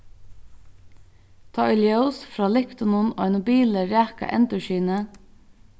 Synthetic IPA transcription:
t̪ʰɑːʏljɛʊsfɾɑːlɪkt̪ʊnʊno̰ːanʊbiːləɾæːka̰ʔɛ̰nt̪əʃiːnə

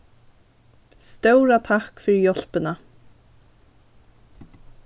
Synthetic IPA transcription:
st̪œwɾat̪ʰahkfʏɾjɔl̥pɪna

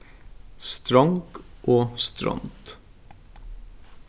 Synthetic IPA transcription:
st̪ɾɑŋɡʔoːst̪ɾɔ̰ŋt̪

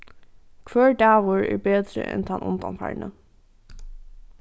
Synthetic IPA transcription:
kʰʋœːɹɖæːʋʊɹɛ̰ːbeːd̪ɾə̰ʔɛ̰nt̪ʰɑnʔʊ̰nd̪ɑ̰nfɑ̰ːɹnə

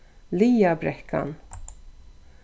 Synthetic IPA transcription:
liːabɾɛkʰːa̰n

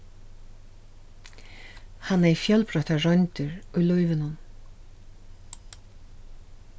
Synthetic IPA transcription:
hanːɛfjœlpɾœht̪arœjnt̪ʏɹujlɔjvɪnʊn

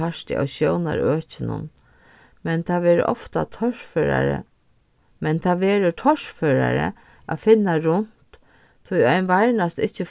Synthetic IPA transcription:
aʂt̪ɪ̰ʔa̰wɕjowna̰ɾøːt͡ʃɪnʊ̰n | mɛnt̪ʰaʋɛːɾ̰ʔɔft̪at̪ʰɔʂføɾa̰ɾə̰ | mɛnt̪ʰaʋɛːɾət̪ʰɔʂføːɾaɾə̰ | ʔafɪnːaɾʊn̥t̪ʰː | ʊjɔjnʋaɾnast̪ɪht͡ʃːə

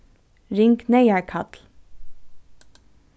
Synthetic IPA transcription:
ɹɪŋkneɪæɹkʰɑt̪l

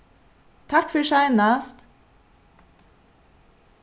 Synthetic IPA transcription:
t̪ʰɑkfɔʃɑɪnɑːst̪

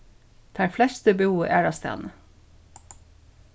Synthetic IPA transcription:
d̪̥ʰæɹflɛst̪əbuːʔæ̰ːɹɑst̪æ̰ːn

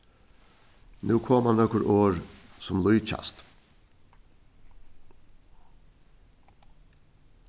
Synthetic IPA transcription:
nʉːkʰɔmɑnɔkəɾʔoːɾsɔmlɔʏc͡çɑ̰st̪

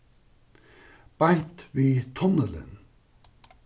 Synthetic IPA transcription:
b̥ant̪ʋiːt̪ʰɔnələ̰n

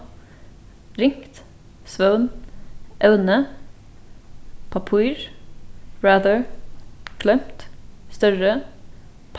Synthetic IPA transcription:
ɾɪŋkt̪ | sʋœʉnʔœʉnə | pʰɑpʰʉːɹ | ɹæːðəɹ | kʰlœmt̪st̪œɹə | pʰ

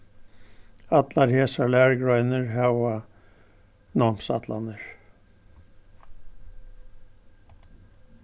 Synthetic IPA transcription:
at̪laɾheːsalæːɹɡɹɔjnɪɹɦɛwa | nɔm̥sa̰t̪la̰nɪɹ̥

